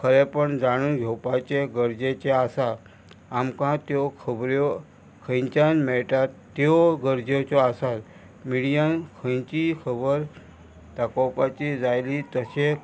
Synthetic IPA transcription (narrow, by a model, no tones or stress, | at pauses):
kʰəɾepəɳd͡zaɽ̃ũnɡʱowpat͡ɕeɡəɾd͡ʑet͡ɕeasa | amkãt̪jokʰəbɾjo | kʰə̃ɲt͡ɕanmeʈat̪ːooɡəɾd͡ʑot͡ɕoasat̪ | miɽijãnkʰə̃t͡ɕikʰəbəɾ | t̪akowpat͡ɕid͡zajlit̪əse